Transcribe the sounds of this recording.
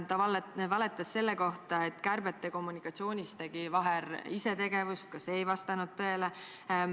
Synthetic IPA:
t̪ɑlvɑle̞t̪ːˑɑsːe̞lːe̞ko̞ht̪ɑe̞t̪ːˑkærb̥et̪ˑːe̞ko̞mːunikːˑɑt̪sio̞ːnʲist̪eɡ̥ivɑɦeɾise̞t̪e̞ɡe̞vust̪̚kɑsejvɑst̪ɑnud̪̥̚t̪ɤ̞e̞le

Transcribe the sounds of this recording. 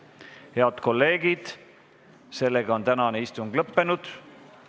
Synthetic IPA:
he̞ɑd̪̥ko̞lːe̞ːɡ̥id̪̥ | se̞lːe̞ɡ̥ɑo̞nt̪ænɑneist̪uŋɡ̥lɤpːe̞nud̪̥

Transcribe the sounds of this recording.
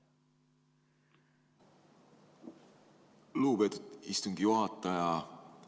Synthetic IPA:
luːpe̞ːt̪ut̪ist̪uŋɡ̥ijuɦɑt̪ˑːɑjɑ

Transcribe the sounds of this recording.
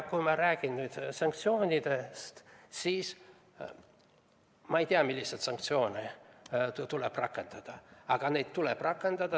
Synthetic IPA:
kujmɑɾæːɡ̥innyːd̪̥sɑŋk̚t̪sio̞ːnʲid̪̥e̞st̪siːs | mɑejt̪iɑmilʲːiset̪sɑŋk̚t̪sio̞ːne | t̪uleb̥rɑkːˑe̞nd̪̥ɑd̪̥ɑɑɡ̥ɑne̞jd̪̥t̪uleb̥rɑkːˑe̞nd̪̥ɑd̪̥ɑ

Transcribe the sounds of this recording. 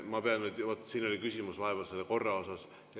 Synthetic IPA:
mɑpeɑnet̪ʋot̪ːˑsiːno̞lʲikysʲimusʋɑɦevɑlselko̞rːɑo̞sɑs | jɑ

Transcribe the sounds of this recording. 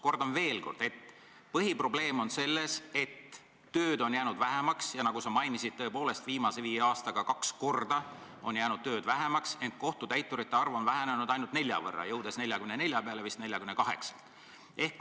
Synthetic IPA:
ko̞rd̪̥ɑnve̞ːlko̞̰rd̪̥e̞t̪ː | pɤɦipro̞ble̞ːmo̞nse̞lːe̞se̞t̪ː | øːd̪o̞njæːnud̪væɦemɑksjɑnɑɡ̥usɑmɑjnisid̥̪̚t̪ɤe̞po̞ːle̞st̪viːmɑseviːeɑːst̪ɑɡ̥ɑkɑksko̞rd̪ɑ | o̞njæːnud̪̚t̪ø̞ːd̪væɦemɑkse̞nt̪̚ko̞ht̪ut̪æjt̪ːˑuɾit̪ːeɑrvɑnvæɦenenud̪̥ɑjnult̪ne̞lʲjɑ̰vɤ̰rːɑ̰jɤwd̪̥e̞sne̞lʲjɑkymnnelʲjɑpeɑlevist̪ne̞lʲjɑkymnekɑɦe̞̰ksɑ̥t̪ | e̞hk

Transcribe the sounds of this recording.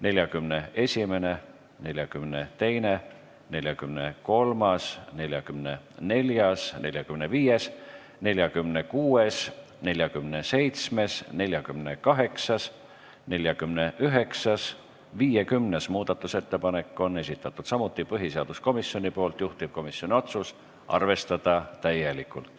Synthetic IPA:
ne̞lʲjɑkymne̞e̞sʲime̞ne̞ | ne̞lʲjɑkymnet̪e̞jne | ne̞lʲjɑkymneko̞lmɑsne̞lʲjɑkymne | ne̞lʲjɑsne̞lʲjɑkymneviːje̞s | ne̞lʲjɑkymnekuːe̞s | ne̞lʲjɑkymnese̞jt̪sme̞sne̞lʲjɑkymne̞kɑɦe̞ksɑs | ne̞lʲjɑkymne̞ʔyɦe̞ksɑs | viːjekymnesmuːd̪̥ɑt̪ːˑuse̞t̪ːe̞pɑne̞kːˑo̞nːe̞s̬ʲit̪ːˑɑt̪ːˑud̪̥sɑmut̪ːˑipɤɦiseɑd̪̥usko̞misːjo̞nʲipo̞ːlt̪juht̪ip̚ko̞misːjo̞nʲio̞t̪sus | ʔɑ̰rve̞st̪ɑd̪̥ɑt̪æjelikːˑult̪ˑ

